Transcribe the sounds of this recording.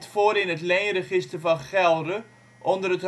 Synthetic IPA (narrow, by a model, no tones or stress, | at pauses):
tfoːɾɪnətlɛjrəχɪstəvɑnχɛlˠdə | ʔɔndərət